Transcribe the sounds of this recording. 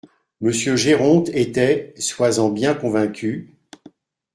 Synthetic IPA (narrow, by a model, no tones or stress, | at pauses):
məsjøʒeʁɔ̃t̪et̪ɛswazɑ̃bjɛ̃kɔ̃vɛ̃kʲʰy